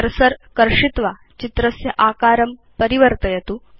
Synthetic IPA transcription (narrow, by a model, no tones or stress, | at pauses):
əɾsəɾkɐɾʂit̪ʋa | t͡ɕit̪ɾɐsjɐʔaːkaːɾɐm | pəɾiʋəɾt̪ɐjɐt̪uː